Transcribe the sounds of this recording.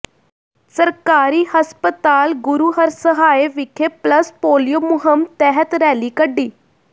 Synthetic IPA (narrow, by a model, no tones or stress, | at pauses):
səɾkaːɾiːhəspət̪aːlɡʊɾuːɦəɾsəɦaːeːʋɪkʰeːpləspoːlijoːmʊɦəmt̪ɛːɦət̪ɾɛːliːkəɖːiː